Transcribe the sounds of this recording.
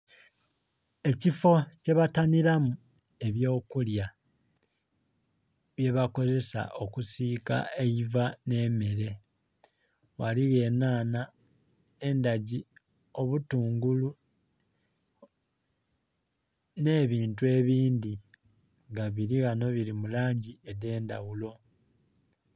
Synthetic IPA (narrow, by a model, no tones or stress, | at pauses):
e̞cifo̞ce̞βataniɾamu | e̞βjo̞ːkulja | βje̞βako̞ze̞sa̰ʔo̞kusika̰ejivane̞ːme̞ɾe̞ | waliɣe̞ːnaːna | e̞ndaɟi | o̞βutuːŋɡulu | ne̞ːβiːntue̞βiːndi | ŋɡaβiɾiɣano̞βiɾimulaːɲɟiede̞ːndawulo̞